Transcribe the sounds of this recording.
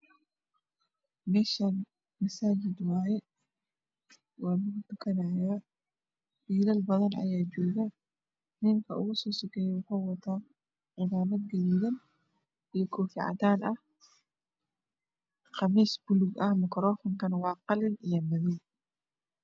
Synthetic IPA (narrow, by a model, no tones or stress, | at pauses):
mɛːʃan | mɐsaːd͡ʒɪd̪wɑːjɛ | wɑːlʊɣʊt̪ʊkʰɐnɐjaː | wiːlɐlbɐðɐnɐ̰jaːt͡ʃɔːɣɐ | nɪŋkʰɐʔʊɣʊsɔːsʊkʰɛjɛwʊħuːwɐt̪ʰaː | ʕɪðaːmɐd̪̚ɡɐliðɐn | ijɔkʰɔːfɪʕɑ̰t̪aːnɐh | qɑmiːsbʊlʊɡɐhmɐkʰɾɔːfɔŋkʰɐnwɑːqɑlɪnijɐmɐðɛn